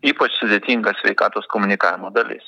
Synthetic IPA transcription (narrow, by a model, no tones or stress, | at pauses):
iːpɐt͡ʃsʊd̪ʲeːt̪ʲiːŋɡɐsʲʋʲɛɪkɑːt̪oːskoːmʊnʲɪkɑːʋʲɪmoːd̪ɐlʲɪ̰s